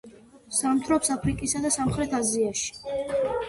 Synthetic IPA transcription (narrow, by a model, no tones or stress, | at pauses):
samt̪ʰɾɔpsapʰɾikʼisad̪asamχɾɛt̪ʰaziaʃi̥